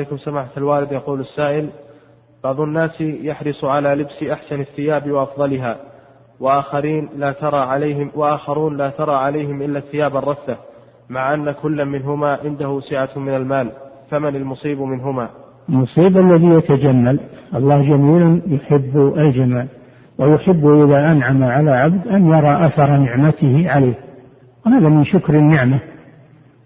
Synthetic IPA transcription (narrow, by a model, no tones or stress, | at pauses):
jkʊmsamaːħat̪alwaːlɪd̪jɑquːlasːaːʔɪl | b̥ɑʕðˤʊnːaːsjaħɾɨsˤʕalaːlɪbsʔaħsanaθːɪjaːbwɑʔɑfðˤɑlɪɦaː | waʔaːxɑɾiːnlaːt̪ɑɾˤɑʕɪwaʔaːxɑɾˤuːnlaːt̪ɑɾˤɑːʕalajhɪmʔɪlːaθːɪjaːbɑrˤːɑθːa | maʕʔanːakʊlːamɪnɦʊmaːʕɪnd̪ahʊsɪʕamɪnalmaːl | famanalmʊsˤiːbmɪnɦʊmaːʔalmʊsˤiːbʔalːaðijat̪ad͡ʒamːalʔɑlˤːɑːhd͡ʒamiːlanjʊħɪbːʔald͡ʒamaːl | wajʊħɪbːʔɪðaːʔanʕamaʕalaʕabd̪ʔanjɑɾˤɑːʔaθɑɾˤnɪʕmat̪ɪhɪʕalaːh | wɪhaːðamɪnʃʊkɾɪnːɪʕma